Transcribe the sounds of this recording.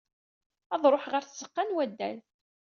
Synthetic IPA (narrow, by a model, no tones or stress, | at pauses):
ɑðˤɾˤoħʁəɾθsə̥qːanwæd̪ːæ̰l